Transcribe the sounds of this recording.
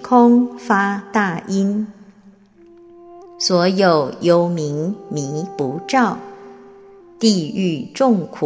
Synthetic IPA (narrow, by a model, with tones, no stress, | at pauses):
kʰʊ˥ŋfa˥t̪a˥˩i˥n | swɔ˧˥jo˨˩ʊjo˧˥ʊmi˧˥ŋmi˧˥pu˧˥ʈ͡ʂɑ˥˩ʊ | t̪i˥˧y˥˧ʈ͡ʂʊ˥˩ŋkʰu˨